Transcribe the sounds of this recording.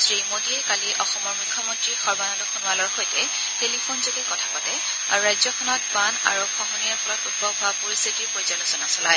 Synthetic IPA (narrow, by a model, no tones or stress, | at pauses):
sɹimodiɛkaliʔɔxɔmɔɹmukʰːɔmɔntɹixɔɹbanɔdɔxʰunʊalɔɹxojtɛ | telipʰonzoɡɛkɔtʰapɔtɛ | a̰ɹuɹajzɔkʰɔnɔt̚bana̰ɹukʰɔɦɔniaɹpʰɔlɔtupɔɡʱapoɹistʰitiɹpɔjzalozɔnasɔlaj